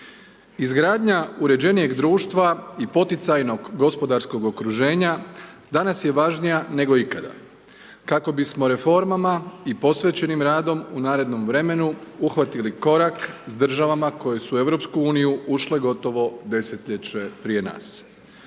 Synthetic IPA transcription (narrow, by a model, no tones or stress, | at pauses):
izɡɾaːd̪ɲauɾe̞d͡ʑe̞nije̞ɡd̪ɾuːʃt̪ʋaipo̞t̪it̪sajno̞ɡːo̞spo̞d̪aɾsko̞ɡo̞kɾuʒe̞ːɲad̪anasje̞ʋaʒnijane̞ɡo̞ikad̪a̰ | kako̞bismo̞ɾe̞fo̞ɾmamaipo̞sʋet͡ɕe̞nimɾaːd̪o̞munaːɾe̞d̪no̞mʋɾe̞me̞nuuxʋat̪iliko̞ɾaksd̪r̩ʒaʋamako̞je̞sue̞ʋɾo̞pskuuːnijuuʃle̞ɡo̞t̪o̞ʋo̞d̪e̞se̞t̪ʎet͡ɕe̞pɾije̞na̰ːs